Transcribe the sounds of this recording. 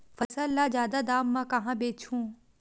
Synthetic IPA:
fɐsɐlːazaːd̪ad̪aːmːãkɐɦãbeːt͡ʃʰũː

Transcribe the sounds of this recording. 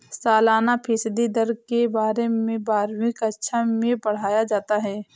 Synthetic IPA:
saːlaːnapʰɪsd̪id̪ɐɾkebaːɾemẽbaːɾwɪkɐtːʃʰamẽbɐɽ̤aːjad͡ʒaːt̪aɦɛː

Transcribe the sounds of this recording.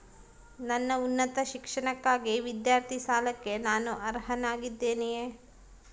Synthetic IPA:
nɐnːɐunːɐt̪ɐʃikʂɐɳɐkːaːɡiʋid̪jaːɾt̪ʰisaːlɐkːe̞naːnuʔɐɾɦɐnaːɡid̪ːeːnejeː

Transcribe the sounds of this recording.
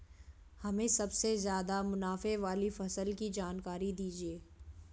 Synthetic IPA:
hɐmẽsɐbsezjaːd̪amʊnaːfeʋaːlifɐsəlkid͡ʒaːnkaːɾid̪iːd͡ʒieː

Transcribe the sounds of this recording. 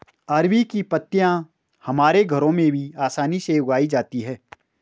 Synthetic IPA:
əɾʋikipət̪ːjã | hɐmaːɾeɡʱɐɾõmẽbʱiaːsaːniseʊɡaːid͡ʒaːt̪iɦɛː

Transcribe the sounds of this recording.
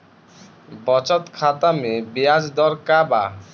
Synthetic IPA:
bɔt͡ɕɔt̪kʰat̪amebiad͡ʑd̪ɔɾkaba

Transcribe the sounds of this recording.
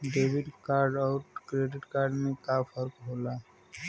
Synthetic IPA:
ɖeːʋɪɖkaːɾɖɔʊʈkɾeːɖɪʈkaːɾɖmẽkaːfʰəɾkɦoːlaː

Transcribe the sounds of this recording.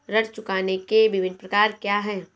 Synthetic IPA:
ɾɐʈt͡ʃʊkaːnekebɪʋɪnpɾɐkaːɾkjaːɦɛː

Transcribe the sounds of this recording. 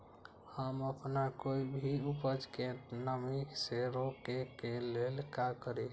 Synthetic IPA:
həməpnakoibʱiupəd͡ʒkenəmiseɾokekelelkakəɾi

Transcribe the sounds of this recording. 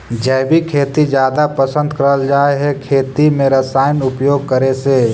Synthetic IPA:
d͡ʒɛːbʱikʰeːt̪id͡ʒjaːd̪apəsə̃nd̪kɐɾəld͡ʒaːeɦɛkʰeːt̪imẽɾɐsaːɪnʊpjoːɡ̚kəɾeseː

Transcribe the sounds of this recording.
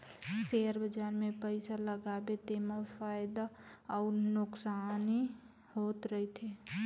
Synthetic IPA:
seəɾbʱəd͡ʒaːɾmẽpəɪsaləɡabet̪emafʰajd̪aɔːɾnʊksani | hoːt̪ɾəɦit̪ʰe

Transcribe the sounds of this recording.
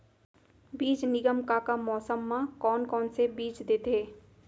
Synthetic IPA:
biːt͡ʃnɪɡəmkakamɔːsəmːãkɔːnkɔːnsebiːt͡ʃd̪et̪eː

